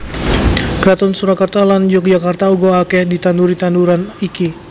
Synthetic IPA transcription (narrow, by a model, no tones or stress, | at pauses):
kɾat̪ɔnsuɾakart̪aland͡ʒɔk̚d͡ʒakart̪auɡoakɛhdit̪anuɾit̪anduɾaniki